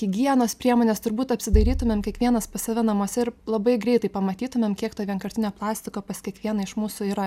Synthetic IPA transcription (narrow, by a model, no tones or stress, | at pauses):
ɪɡʲiɛnoːspʲɾʲiɛmoːnʲeːst̪ʊɾbuːt̪ɐpʲsʲɪd̪ɐɾʲiːt̪ʊmʲeːmkʲɛkʋʲiɛnɐspɐsɐʋʲɛnɐmuɔsʲɛɪɾlˠɐbɐɪɡɾʲɛɪt̪ɐɪpɐmɐt̪ʲiːt̪ʊmʲeːmkʲiɛkt̪oːʋʲiɛnkɐɾʲt̪ʲɪnʲoːplˠɑːsʲt̪ʲɪkoːpɐskʲiɛkʋʲiɛnɐɪʃmuːsʊiːɾɐ